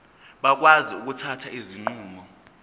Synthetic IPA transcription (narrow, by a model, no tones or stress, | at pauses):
ɓak̬waziuk̬utʰatʰaiziŋ͡ǃuːmɔ